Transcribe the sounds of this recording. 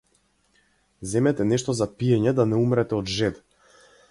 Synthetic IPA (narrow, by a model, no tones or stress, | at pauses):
zɛmɛt̪ɛnɛʃt̪ɔzapiɛɲɛd̪anɛumɾɛt̪ɛɔd̪ʒɛd̪